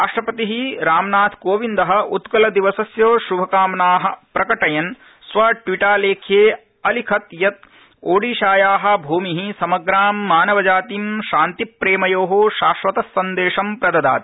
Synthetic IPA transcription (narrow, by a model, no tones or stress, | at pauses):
ɾaːʂʈɾɐpɐt̪iɦiɾaːmnaːt̪ʰkoːʋind̪ɐɦɐ̆ut̪kɐlɐd̪iʋɐsɐsjoːʃubʱɐkaːmnaːɦɐ̆pɾɐkɐʈɐjɐn | sʋɐʈʋiʈaːleːkʰjeː | ɐlikʰɐt̪jɐt̪̚ | oːɽiːʃaːjaːɦɐ̆bʱuːmiɦisɐmɐɡɾaːmːaːnɐʋɐd͡ʒaːt̪imʃaːnt̪ipɾeːmɐjoːɦoʃaːʃʋɐt̪ɐsːɐnd̪eːʂɐmpɾɐd̪ɐd̪a̰ːt̪i̥